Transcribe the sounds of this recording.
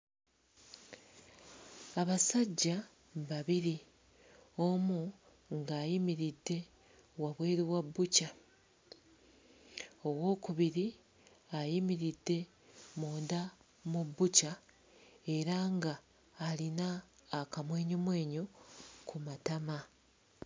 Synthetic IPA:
aβasaɟːa | βaβiɾi | o̞mu | ŋɡaːjimiɾidːe̞ | waβweːɾiwabːuca | o̞wo̞ːkuβiɾi | ajimiɾidːe̞ | moːnda | mubːuca | e̞ɾaŋɡaː | linaːkamwe̞ːɲomwe̞ːɲokʰumatama

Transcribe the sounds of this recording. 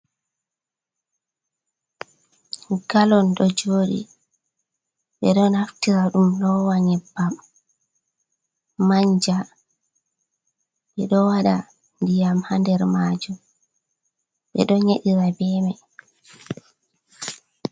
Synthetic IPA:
ɡalɔnɗɔd͡ʒoːɗḭ | ɓɛɗɔnaftiɾaɗumlɔwaɲɛbːam | aɲd͡ʒa | ɓɛɗɔwaɗa | ndijamhandɛɾmaːd͡ʒu | ɓɛ̰ɗɔɲeɗiɾabɛmɛ

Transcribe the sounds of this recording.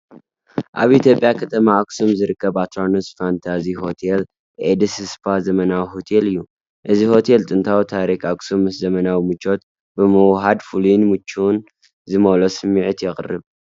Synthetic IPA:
ʔa̰βit̪ʰjo̞pʼjakʰɐt̪ʰɐmaːksumzɨɾɨkʰːɐbat̪ʰɾanosfant̪ʰaziho̞t̪ʰel | ʔed̪ɨsɨspʰazɐmɐnawiɦo̞t̪ʰelɨjːu | ʔɨziho̞t̪ʰelt̪ʼɨnt̪ʰawit̪ʰaɾikaksumːɨszɐmɐnawimɨt͡ʃːo̞t̪ | bɨmɨwɦad̪fulunmɨt͡ʃːun | zɨmɐlosɨmːɨʕɨt̪jɛχʼɨrɨβ

